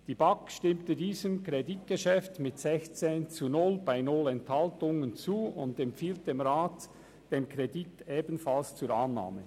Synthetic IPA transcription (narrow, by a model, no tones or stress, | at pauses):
d̥iːbaŋkʃtɪmtədiːzəmkʁedit̚ɡ̥əʃɛftmɪtsɛçt͡seːnt͡sunʊlbaɪnʊlɛnthaltʊŋənt͡suːʊndɛmpfiːlt̚d̥eːmʁaːt | d̥eːmkʁediteːbən̩falst͡suːɾanːa̰ːmə